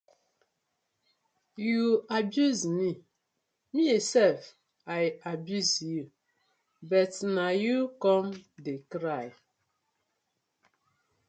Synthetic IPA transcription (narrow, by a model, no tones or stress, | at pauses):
juabjuzmi | miesɛlf | ajabjuzju | bɔtnajukɔmdekɾaj